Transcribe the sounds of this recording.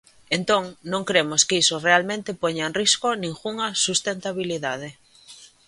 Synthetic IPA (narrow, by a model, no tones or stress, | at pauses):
ent̪õŋnõŋkɾemoskisorealmẽnt̪ɪpoɲaenriskonĩŋɣuŋɐsust̪ent̪aβ̞iliðað̞e